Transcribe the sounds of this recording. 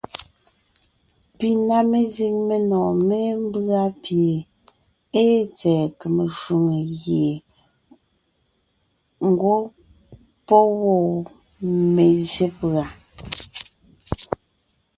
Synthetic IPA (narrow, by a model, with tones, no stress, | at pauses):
pi˨na˦me˨zi˦ŋme˨nɔː˨me˦m˦ba˦pje˨ | e˦t͡sɛː˨ke˨me˨ʃu˨ŋe˨ɣje˨ | ŋ˦ɡwo˦ | pɔ˦wɔ˨ | me˨zje˦pa˨